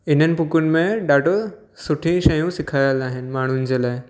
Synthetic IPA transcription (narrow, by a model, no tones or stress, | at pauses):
ɪn̤ənɪ̆pʊkʊnɪ̆mẽɗaːʈo | sʊʈʰĩʃɐjũsɪkʰaːjəlaːɦɪnɪ̆maːɳ̤ʊnɪ̆d͡ʑeːlaːɪ